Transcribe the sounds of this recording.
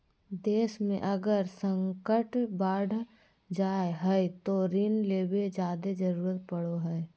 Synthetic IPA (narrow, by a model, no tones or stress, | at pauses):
d̪eːʃmẽʔɐɡəɾsə̃ŋkəʈbaːɽ | d͡ʒaːeɦɛjt̪oɾinleːbed͡ʒjaːd̪ed͡ʒəɾuːɾət̪̚pəɽoɦɛ